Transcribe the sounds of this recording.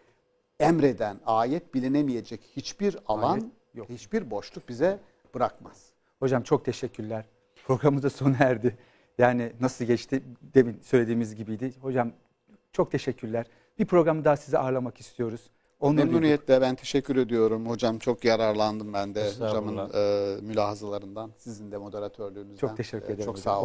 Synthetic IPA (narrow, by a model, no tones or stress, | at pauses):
ɛmɾed̪ænaːjɛt̪̚bilʲinemijed͡ʒɛchit͡ʃbiɾa̰lˠan | johit͡ʃbiɾbo̞ʃlˠuk̚bizɛ | b̥ɯɾakmaz̥ | ho̞d͡ʒamt͡ʃʰo̞k̚t̪ʰeʃɛcʰːyɾlʲæɾ̥ | pʰɾo̞ɡɾamɯzaso̞næɾd̪ɪ | jaːninasɯlˠɟɛt͡ʃt̪ʰid̪e̞minsø̞jlʲe̞d̪iːmizɟibijd̪ɪho̞d͡ʒam | t͡ʃʰo̞k̚t̪ʰe̞ʃɛcʰːyɾlʲæɾ̥ | b̥ipʰɾo̞ɡɾamɯd̪aasizɛʔaɾlˠamaki̥st̪ʰijo̞ɾuz̥ | o̞naɾuɾnijɛlʲɛbænt̪ʰe̞ʃɛcʰːyɾe̞d̪ijo̞ɾumho̞d͡ʒamt͡ʃʰo̞kjaɾaɾlˠand̪ɯmbænd̪ɛhod͡ʒamɯnmylʲaːhazalˠaɾɯnd̪ansizind̪ɛmo̞d̪e̞ɾat̪ʰøɾlʲyːnyzt͡ʃʰoæt̪ʰeʃɛcʲʰːyɾed̪eɾoa